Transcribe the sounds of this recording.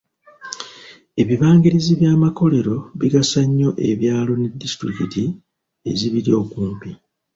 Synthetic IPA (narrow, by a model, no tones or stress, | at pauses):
e̞βiβaːŋɡiɾiziβjaːmako̞le̞ɾo̞βiɡasaɲːo̞ʔe̞βjaːlo̞ne̞dːistɾikiti | e̞̰ziβiɾio̞ːkuːmpi